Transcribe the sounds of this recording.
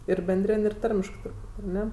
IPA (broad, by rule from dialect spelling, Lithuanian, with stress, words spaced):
ɪr bʲɛnʲˈdʲrʲɪnʲ ɪr ˈtɐrʲmʲɪʃkɜ tʊrˈbuːtʲ ɐr ˈnʲɛ